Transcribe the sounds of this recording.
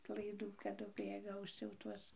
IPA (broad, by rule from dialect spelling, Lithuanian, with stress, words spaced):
lˠɐɪˈduː kɐˈdʊ kɐɪ ˈjiɛ ˈɡɐʊs jɛʊ ˈtuɔs